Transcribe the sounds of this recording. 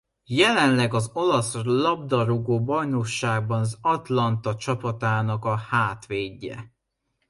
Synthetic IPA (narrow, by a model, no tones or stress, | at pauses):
jɛlɛnlɛɡɒzo̞lɒslɒb̚d̪ɒɾuɡoːbɒjno̞kʃaːɡ̚bɒnɒzɒt̪lɒnt̪ɒt͡ʃɒpɒt̪aːnɒkɒhaːt̪ʋeːɟːɛ̰